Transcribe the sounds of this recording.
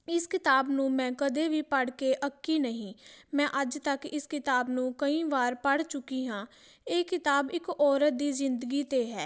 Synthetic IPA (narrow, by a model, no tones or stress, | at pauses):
ɪskɪt̪aːbnũːmɛ̃ːkəd̪eːʋiːpəɽkeːʔəkːiːnəɦĩːmɛ̃ːʔəd͡ʒt̪əkɪskɪt̪aːbnũːkəĩːʋaːɾpəɽt͡ʃʊkːiːɦãː | eːkɪt̪aːbɪkɔːɾət̪̚d̪iːzɪnd̪əɡiːt̪eːɦɛː